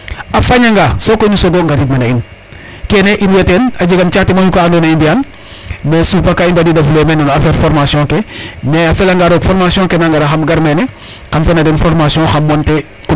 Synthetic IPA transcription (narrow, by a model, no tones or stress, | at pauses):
afaɲaŋɡasokoɲusoɡoŋɡaɾit̚manain | keneʔiɾjatenaɟiɡamt͡ʃaːtemaɲukaːndonaindian | mesupakaindadidafulemenonafeɾfoɾmasiõkemeafelaŋɡaɾoːkfoɾmasiõkenaŋɡaɾaxamɡaɾmene | xamfenadenfoɾmasiõxamːonte | k